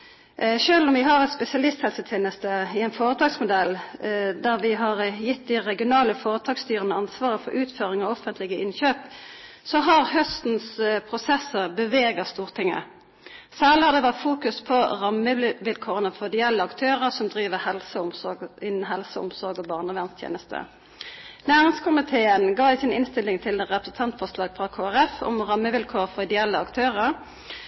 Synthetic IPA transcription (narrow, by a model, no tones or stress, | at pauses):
ʃøːlʊmʋɪɦɑʁɛt̪spɛsɪɑlɪst̪hɛlsət̪ʰeːnəst̪əɪɛnfoːʁət̪ʰɑːɡsmʊd̪ɛld̪æʁʋɪɦɑʁjɪt̪ːd̪ɪʁɛɡɪʊnɑːləfoːʁət̪ʰɑːɡst̪yːʁənəɑnsʋɑːʁəfɔɾʔʉːt̪føːʁɪŋɑʋɔfənt̪lɪɡəʔɪnçøːp | sɔɦɑʁhœst̪n̩spʰʁʊsɛsəʁbəʋeːɡɑst̪uːʁt̪ʰɪŋːə̰ | sæːʁlɪhɑʁd̪ɛʋɑt̪fuːkʉspʰɔʁɑmːəʋɪlkʰoːʁənəfɔʁɪd̪ɪɛlːəɑkt̪ʰøːʁəʁsɔmd̪ʁiːʋəhɛlsəʊmɪnn̩ɦɛlsəʊ̰msɔʁɡɔbɑʁnəʋæʁnst̪ʰjḛːnəst̪ʰə̰ | næːʁɪŋskʰʊmɪt̪ʰeːənɡɑːɪsɪnɪnst̪ɪlːɪŋt̪ʰɪlʁɛpɾəsn̩t̪ʰɑnt̪fɔʁʂlɑːɡfʁɑkʰoːæʁɛfɔ̰mʁɑmːəʋɪlkʰoːʁfɔʁɪd̪əɛlːəɑkt̪ʰøːʁəʁ